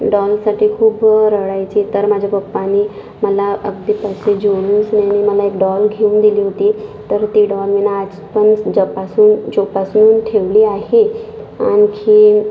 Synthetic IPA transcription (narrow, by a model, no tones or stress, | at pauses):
ɖɔlsaʈʰiːkʰuːbɾəɭajt͡ɕit̪əɾmad͡ʑʱapəpːani | məlaʔəɡ̚d̪ipəsed͡ʑoɽunsnjaniməlaekɖɔlɡʱeund̪iliːɦot̪iːt̪əɾt̪iːɖɔlʋinaːd͡z | pənsd͡ʑəpasuːnt͡ɕopasnuːnʈʰeʋliːaɦea̰nkʰiː